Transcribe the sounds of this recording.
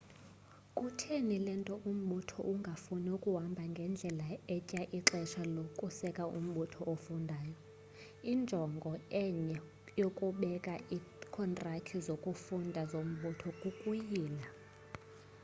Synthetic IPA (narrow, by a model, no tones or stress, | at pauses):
kʼutʰenilɛntʼɔʔum̩ɓutʰɔ̰ʔuŋɡʱafunɛukʼuɦambʱaŋɡʱɛnd͡ɮʱɛlaɛcʼaʔiǁɛʃalokʼusɛkʼaʔṵm̩ɓutʰɔʔofundʱaːjɔ | ind͡ʒʱɔŋɡʱɔɛɲɛ | jokʼuɓɛkʼaikʰɔntʼratʰizokʼufundʱazom̩ɓutʰɔkʼukʼujiːla